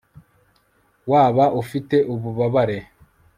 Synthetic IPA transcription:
waːβaʔufite̞ʔuβuβaβaɾe̞

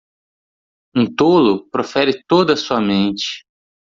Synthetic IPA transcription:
ũt̪olʊpɾofɛɾɪt̪od̪ɐsuɐmẽnt͡ʃɪ̥

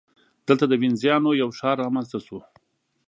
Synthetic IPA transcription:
d̪̥əlt̪ad̪əwɪnzjɑnojawʃɑɾːɑmanzt̪asu

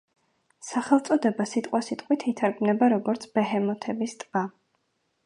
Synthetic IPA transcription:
saχɛlˠt̪sʼɔd̪ɛbasit̪ʼqʼwasit̪ʼqʼwit̪ʰit̪ʰaɾɡmnɛbaɾɔɡɔɾt̪sʰb̥ɛɦɛmɔt̪ʰɛbist̪ʼb̥a

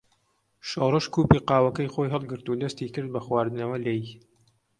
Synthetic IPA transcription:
ʃowrɨʃkuːpiːqɑːwɐkɐjxojɦɨlˠɡɨɾt̪ud̪ɐst̪iːkɨɾd̪̚bɐxwaːɾd̪ɨnɐwɐleji

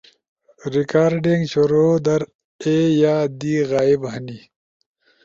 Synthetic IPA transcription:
ɾikaːɾɖiŋɡɕoɾoːd̪ɐɾ | ejaːd̪iɣaːibɦɐni

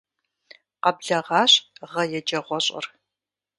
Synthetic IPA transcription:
qɐbɮɐʁɑːɕʁɐjɛd͡ʒɐʁʷɔɕʼɪ̰r

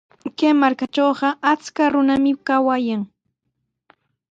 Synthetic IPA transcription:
kemaɾkat͡ʃoːɢɑʔat͡skaɾʊnamɪkawajaŋ

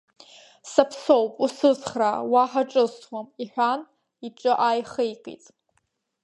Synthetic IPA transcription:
sapʰsowpʼusɨzχrawaħaʈ͡ʂʼɨswamiħʷᶣan | iʈ͡ʂʼɨʔajχejqʼḛtʼ

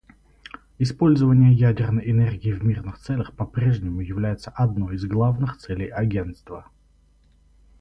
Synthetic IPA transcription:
ɪspo̞lʲzəvənʲɪjəjædʲɪrnəjɪnerɡʲɪːvʲmʲirnɨxt̪sɛlʲəxpɐpɾʲe̞ʐnʲɪmʊjɪvlʲæjɪt̪səʔɐd̪no̞jɪzɡlˠavnɨxt̪sɛlʲɪjɐɡʲe̞nt̪st̪və

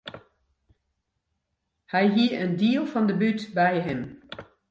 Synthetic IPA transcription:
hɛjɦiəəndiəlˠfɑndəbytbɛjɦɪm

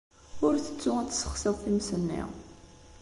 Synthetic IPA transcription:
ʊɾθə̥t͡sːʊæt̪ːə̥sə̥χsəðθimsənːḭʁ

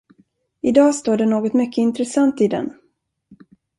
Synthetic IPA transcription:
ɪd̪ɑːst̪oːɖɛnoːɡɔt̪mʏkʰːəɪnt̪ɾɛsant̪ɪd̪ɛ̰n

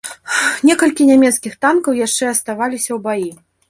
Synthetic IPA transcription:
nʲɛkɐlʲkʲinʲamʲɛt̪skʲixt̪ankɐwjaʂt͡ʂɛɐst̪avalʲisʲɐwbaji

